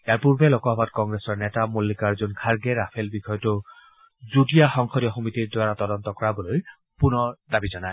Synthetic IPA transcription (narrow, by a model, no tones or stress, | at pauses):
ejaɹpuɹbelokɔɦɔbat̚kɔŋɡɹesɔɹnɛtamulːikaɹzunkʰaɹɡeɹapʰelbixʰɔjɔtʊ | zudijaxɔŋkʰɔɾijɔxɔmitiɹdwaɹatɔdɔnt̪ɔkɔɹabɔloj | punɔɹdabizɔnae